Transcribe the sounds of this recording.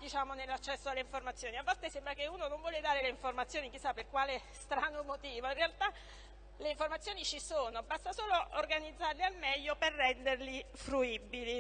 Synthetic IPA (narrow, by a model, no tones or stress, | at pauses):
d̪it͡ʃaːmonelːat͡ʃːɛsːoalːeiɱformat̪sːjoːniavːalt̪esɛmbɾakeuːnonoɱvwɔːled̪aːɾeleiɱformat̪sːjoːnik̟isːapːerkwaːlest̪ɾaːnomot̪iːvoinrealt̪a | leiɱformat̪sjoːnit͡ʃisoːnobast̪asoːloorɡanid̪zːarlealmɛʎːoperːɛnd̪erli | fɾuibːili